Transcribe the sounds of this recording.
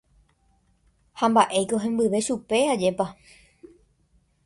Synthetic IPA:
hãmbaʔe̞jko̞ɦẽmbɨʋe̞ʃupe̞ad͡ʒe̞pa

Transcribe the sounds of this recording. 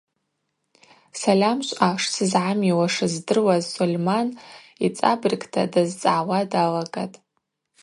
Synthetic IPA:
salʲamʃʷʼaʂsɨzʕamiwaʂɨzdɨrwazsulʲman | it͡sʼabrɨkʼtʰadazt͡sʼaʕwadalaɡʼatʼ

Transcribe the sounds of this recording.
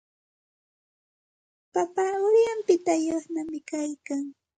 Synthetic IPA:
papaʊɾjampɪt̪ajosnamɪkajkaŋ

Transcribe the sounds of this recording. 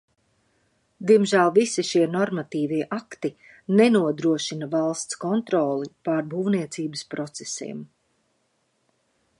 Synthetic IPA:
d̪iɛmʒæːlˠvisiʃiɛnɔɾmat̪iːviɛʔakt̪i | nɛnuɔd̪ɾuɔʃinavalˠst̪skɔnt̪ɾɔːlˠipaɾbuːvniɛt̪siːbəspɾɔt̪sesḭɛm

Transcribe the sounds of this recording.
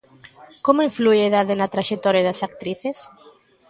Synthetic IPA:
komoiɱflujeðaðɪnɐt̪ɾaʃek̚t̪ɔɾjɐðɐsak̚t̪ɾiθes

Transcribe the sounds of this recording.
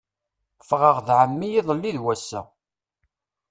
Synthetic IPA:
fʁəʁðʕəmːijiðˤəlːiðwæsːæ̰

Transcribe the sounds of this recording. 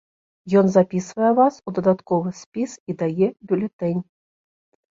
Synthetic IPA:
jɔnzapʲisvɐjɛvasud̪ɐd̪at̪kɔvɨsʲpʲisid̪ajɛbʲulʲɛt̪ɛnʲ

